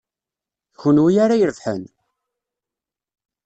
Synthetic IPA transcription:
çənwijaɾajəɾfħə̰n

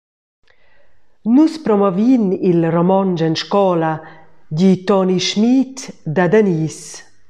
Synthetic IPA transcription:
nuspɾɔmɔvinilrɔmɔnd͡ʒɛnʃkɔladit̪ɔniʃmit̪d̪ad̪anis

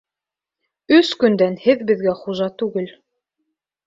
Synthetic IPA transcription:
ɵskɵ̆nd̪ænhɘðbɘ̆ðɡæχuʒɑt̪ʉɡɘl

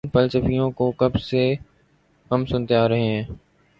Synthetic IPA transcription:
pəlt͡ʃəfijõkokɐbse | ɦəmsʊnt̪eaːɾɐɦeɦɛ̃ː

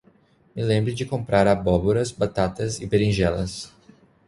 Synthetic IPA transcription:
mɪlẽmbɾɪd͡ʒɪkõmpɾʔaɾabɔboɾɐzbat̪at̪ɐzɪpeɾĩʒɛlɐ̰s

